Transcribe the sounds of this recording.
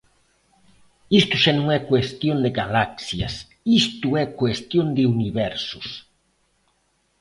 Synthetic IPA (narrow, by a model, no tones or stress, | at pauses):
ist̪ʊʃanõŋɛkwest̪jõnd̪ɪɡalaksjɐ̰s | ist̪uɛkwest̪jond̪ɪuniβɛɾsʊs